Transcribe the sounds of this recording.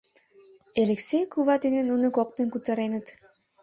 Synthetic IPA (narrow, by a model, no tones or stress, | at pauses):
eleksejkuβɑt̪enenunɤ̆kok̚t̪ĕnkut͡sɑ̆ɾenə̆t̪